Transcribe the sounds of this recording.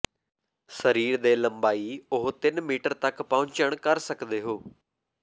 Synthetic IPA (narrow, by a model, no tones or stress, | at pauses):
səɾiːɾd̪eːləmbaːiːʊɦt̪ɪnmiːʈəɾt̪əkpɔ̃ːɲt͡ʃəɳ̃kəɾsəkd̪eːɦoː